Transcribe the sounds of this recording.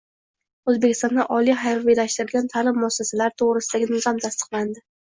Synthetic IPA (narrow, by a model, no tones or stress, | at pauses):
ɵzbe̞kʲɪ̥st̪ɒnd̪aʔɒlijɦajɾvijlaʃt̪ɪɾɪlɡʲant̪ʰalɪmːɒsasalaɾt̪ʰoʁɾɪsɪd̪aɡʲɪnɪzɒmt̪ʰast̪ɨ̥qlˠand̪ɪ